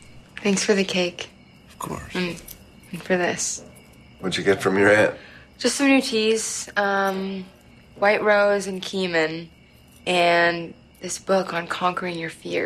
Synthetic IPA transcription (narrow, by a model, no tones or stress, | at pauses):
θæ̃ŋksfə˞ðɨkʰeɪk | ʌv̥kʰɔ̰ɹs̩ | nfə˞ðɪs | wɨd͡ʒɨɡɛtfɹʌ̃mjə˞ɛd̥d̥ʒ̥ʌstsʌ̃mnʉtʰiz̥ʌ̃m | waɪʔɹoʊzɨ̃nkʰimɨ̃n | ʔɨ̃n | ðɪsb̥ʊkn̩kʰɑ̃ŋkə˞ɪ̃ŋjə˞fɪ̰ɹ